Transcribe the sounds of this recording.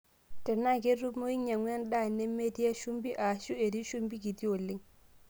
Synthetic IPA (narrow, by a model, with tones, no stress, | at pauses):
tɛ˨na˦˨ɡe˦ɾu˦mo˦i˦ɲa˨ŋwɛ˦nɗa˦˨nɛ˦mːe˦di˦ja˦ʃu˦mbi˦ʔa˨ʃu˦e˨ɾi˦ʃu˦mbi˦ɡi˨ti˦o˨lːi˦ŋ